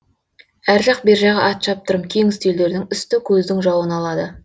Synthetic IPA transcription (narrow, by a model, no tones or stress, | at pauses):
æɾʒɑq̚be̞ɾʒeʁɑʔɑt̪ʃɑp̚t̪əɾəmkʲʰe̞ŋɪst̪eld̪e̞ɾd̪ɪŋʏst̪ɪkʲʰɵzd̪ɪŋʒɑwənɑlˠɑd̪ə